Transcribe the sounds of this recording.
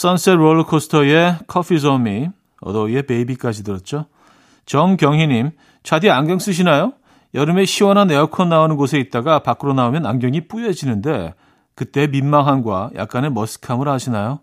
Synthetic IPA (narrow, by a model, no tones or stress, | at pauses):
s͈ʌns͈eɾoɭkʰosʰɯ̥tʰʌe̞kʰʌpʰisʌmi | ʌ̰dʌie̞pe̞ibik͈ad͡ʑidɯɾʌt̚t͡ɕ͈o | t͡ɕʌnkjʌŋɦiɲim | t͡ɕʰadiaŋɡjʌŋs͈ɯɕ̬ʰinajo | jʌɾɯme̞ɕʰiwʌnɦaneʌkʰʌnːaonɯnɡosʰe̞it̚t͈aɡapak͈ɯɾonaomjʌnaŋɡjʌŋip͈ujed͡ʑinɯnde̞ | kɯt͈e̞ːminmaŋɦanɡwa̰jʔa̰k̚k͈ane̞mʌsʰɯ̥kʰamɯɾɦaɕʰinajo